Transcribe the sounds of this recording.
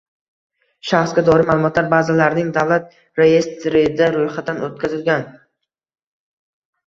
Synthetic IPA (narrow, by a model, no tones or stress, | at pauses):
ʃaχsɡʲad̪ɒɾɪmaːlˠʊmɒt̪laɾbazalaɾnɪŋd̪avlat̪̚ | ɾeje̞st̪ɾɪd̪aɾojχad̪anot̪kʲʰazɪlɡʲan